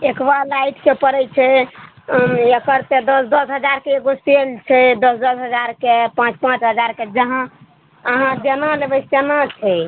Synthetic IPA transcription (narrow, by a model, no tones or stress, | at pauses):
ekbalaiʈʰkepəɾɛt͡ʃʰɛ | əkəɾt̪ed̪əsd̪əsɦəd͡ʒaɾkeeɡoselt͡ʃʰɛd̪əsd̪əsɦəd͡ʒaɾkepãt͡ʃpãt͡ʃɦəd͡ʒaɾked͡ʒəɦã | əɦãd͡ʒenalebəenat͡ʃʰɛ